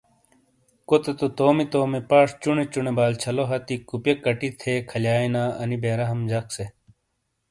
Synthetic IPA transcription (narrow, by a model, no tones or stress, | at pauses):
kot̪et̪ot̪oːmit̪oːmipaːʂt͡ɕuɳet͡ɕunebaːlt͡ɕʰɐloɦɐt̪ikupjekɐʈit̪ʰekʰɐljaːinaːɐnibeːɾɐɦɐmd͡ʑɐkse